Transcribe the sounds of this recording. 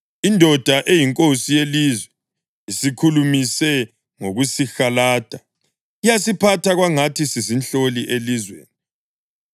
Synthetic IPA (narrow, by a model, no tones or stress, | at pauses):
indʱɔd̥ʱaʔejiŋkʼosijelizwɛ | isikʰulumisɛ | ŋoɣusixalaːd̥ʱa | ijasipʰatʰaɣwaŋatʰisizinɬoliʔelizwḛːni